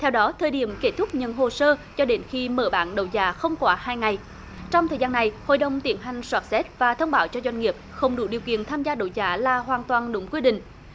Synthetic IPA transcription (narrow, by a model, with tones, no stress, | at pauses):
t̪ʰɛ˧wɗɔ˨˦t̪ʰəː˨˩jɗi˧˩əmke˦˥t̪ʰʊ˦˥k͡p̚ɲə˨˩nɦo˨˩səː˧t͡ɕɔ˧ɗe˨˦nxi˧məː˧˩ɓa̰ː˧˥nɗə˨˩wzaː˧˦xə˧wŋ͡mkwaː˧˦haː˧jŋa˨˩j | t͡ɕɔ˧wŋ͡mt̪ʰəː˨˩zaː˧nːa˨˩jho̰˧˨jɗə˨˩wŋ͡mt̪i˨˦ənɦa˨˩jŋ̟swaː˦˥t̚sɛ˦˥t̚vaː˨˩t̪ʰə˧wŋ͡mɓaː˧˩˦wt͡ɕɔ˧zwa˧ŋ̟ŋi˨˩əp̚xə˧wŋ͡mɗṵ˧˩ɗi˨˩əwkḭ˧˨ənt̪ʰaː˧mzaː˧ɗə̰˧˩wza̰ː˨˦laː˨˩ɦwaː˨˩nt̪waː˨˩nɗʊ˨˦ŋ͡mkwi˧əɗḭ̈˧˨ŋ̟